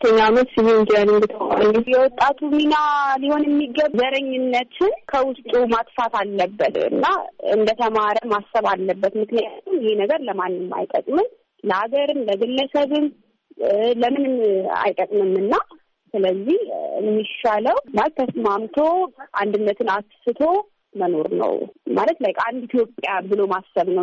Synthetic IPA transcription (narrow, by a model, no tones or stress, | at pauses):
t̪ʰːəɲːamət̪sɨβid͡ʒənɨnd̪ɨt̪ʰəma̰ɾɲːjɛwɔt̪ʼːat̪ʰuminaliho̞njɛmːiɡəβzəɾəɲːɪnːət̪ʰɨnkʰəwʊst̪ʼumat̪fat̪ʰalːəbːət̪ɨ̰nːaɨ̰nd̪ət̪ʰəmaɾəmasːəβalːəbːət̪mɨknijat̪umjɛhnəɡəɾləmanːɨmːa̰jt̪ʼə̰kʼmɨn | ləʔaɡəɾɨnləɡɨlːəsəβɨn | ləmɨnɨna̰jt̪ʼəkʼmɨmːɨnːa | sɨləzːihɨ̰mːiʃaləwmat̪t̪ːʰəsmamt̪ʰoʔand̪ɨnːət̪ʰɨnaksɨt̪ʰo̞ | məno̞ɾnə̰wmalət̪lajkʼand̪it̪ʰjo̞pʼjabɨlo̞masːəβnəw